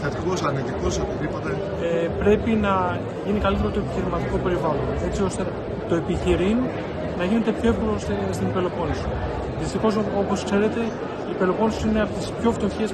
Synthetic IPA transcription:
θet̪iko̞sɐɾnit̪iko̞sot̪it̪ipot̪e | epɾe̞pinɐ | ʝinikɐlit̪e̞ɾot̪oepiçiɾizmɐt̪iko̞pe̞ɾivɐlo̞ne̞t͡sio̞st̪e | t̪o̞e̞piçiɾino | nɐʝine̞t̪e̞pço̞efkolosst̪inpe̞lo̞po̞nisi̥ | ðist̪ixo̞sopo̞skse̞ɾet̪e̞ | ipe̞lo̞po̞nisineɐpot̪i̥spço̞ft̪oçes

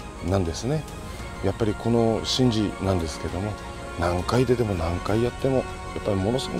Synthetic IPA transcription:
nãnd̪e̞sɨne̞ | japːaɾʲikʰo̞no̞ɕĩɲ̟d͡ʑinãnd̪e̞sɨ̥keed̪o̞mo̞ | nãŋkaid̪e̞t̪e̞mo̞nãŋkaijat̪ːe̞mo̞ | japːaɾʲimo̞no̞sɨɡo

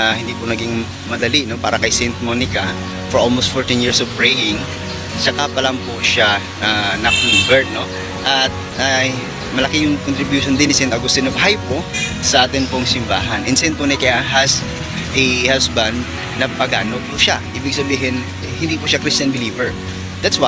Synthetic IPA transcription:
hɪnd̪iːpʊnɐɡiŋ | mɐd̪ɐlino̞pa̰ːɾɐkɐjsɛjnt̪̚monɪkɐ | fɔɹʔolmost̪̚foɹt̪ɪnjiɹsɔvpɹɛjɪŋ | t͡ʃɐkapɐlɐŋpoʃa | anɐkliːbɛɹno̞ | ʔɐt̪̚ʔaj | mɐlɐkɪjʊŋkont̪ɾɪbjuːʃond̪ɪnɪsɛ̃nt̪ɐɡʊst̪ɪnovɦajposɐʔaːt̪ɪnpʊŋsɪmba̰ːɦɐnʔɪnsɛjnt̪̚moːnɪkɐjaɦɐs | ʔɛhasbɐnd̪ː | ɐpɐɡa̰ːnopʊʃaʔiːbɪɡ̚sɐbiːɦɪn | hɪnd̪iːpʊʃakɾist͡ʃɐnbɪliːvɛɹ | d̪at̪swa

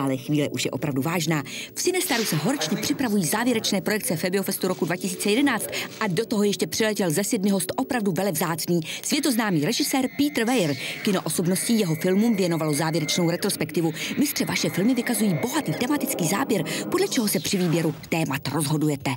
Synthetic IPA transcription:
alɛxviːlɛʔuʃjɛ̰ʔo̞pɾavduvaːʒnaːfsɪnɛst̪aɾusɛɦo̞ɾɛt͡ʃɲɛpr̥ɪpɾavujiːzaːvjɛɾɛt͡ʃnɛːpɾo̞jɛk̚t͡sɛfɛbɪo̞fɛst̪uɾo̞kudvacɪsiːt͡sɛjɛdɛnaːt͡st̪ʔado̞t̪oɦojɛʃcɛpr̥ɪlɛcɛlzɛsɛdmɪɦo̞st̪ʔo̞pɾavduvɛlɛvzaːt͡sniːsvjɛt̪o̞znaːmiːɾɛʒɪsɛːɾpiːt̪rvɛjɾkɪnoʔo̞so̞bnoscɪjɛɦo̞fɪlmumvjɛno̞valo̞zaːvjɛɾɛt͡ʃno̞wɾɛt̪ɾo̞spɛkt̪ɪvumɪst̪r̥ɛvaʃɛfɪlmɪvɪkazujiːbo̞ɦat̪iːt̪ɛmat̪ɪt͡skiːza̰ːbjɛɾpodlɛt͡ʃɛɦo̞sɛpr̝̥ɪviːbjɛɾut̪ɛːmat̪ɾo̞zɦo̞dujɛt̪ɛ

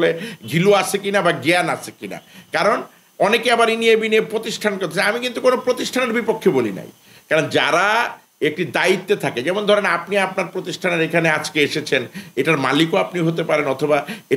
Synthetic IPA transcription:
leɡʱiluat͡ɕʰekinabaɡeanat͡ɕʰekina̰kaɾon | ɔnekeabaɾiniebiniepɾot̪iʃʈʰankoɾt̪ʰet͡ɕʰaamikint̪ukonopɾot̪iʃʈʰaneɾbipokʰːebolḭna̰j | kaɾond͡ʑaɾa | ek̚ʈid̪ait̪ːet̪ʰaked͡ʑɛmond̪ʱɔɾenapniapnaɾpɾot̪iʃʈʰaneɾekʰanead͡ʑkeeʃet͡ɕʰeneʈaɾma̰likoapniɦot̪epaɾenɔt̪ʰobae

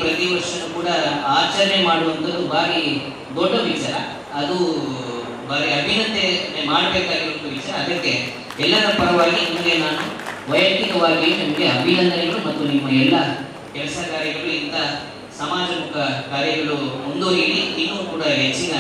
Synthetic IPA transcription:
pɾɐt̪iʋɐɾʂɐnukuːɽɐaːt͡ʃɐɾɐnemaːɽuʋɐnt̪ɐd̪ubaːɾi | d̪oɖːɐʋit͡ʃaːɾɐ̰ː | d̪u | baːɾiɐbʱinɐd̪enemaːɽɐbeːkaːɡiɾuʋɐnt̪ːɐʋit͡ʃaːɾɐːd̪ɐkːe̞ | ɛlːɐɾɐpɐɾɐʋaːɡinimɐɡe̞naːnuʋɐjɐk̪ikɐʋaːɡinimɐɡeɐbʱinɐnd̪ɐnɐɡɐɭumɐt̪ːunimːɐɛlːɐ | kɛlɐsɐkaːɾjɐɡɐɭuint̪ɐ | sɐmaːd͡ʒɐmukʰɐkaːɾjɐɡɐɭuond̪uɦe̞ːɭiinːuːkuːɽɐɦet͡ʃːinɐ

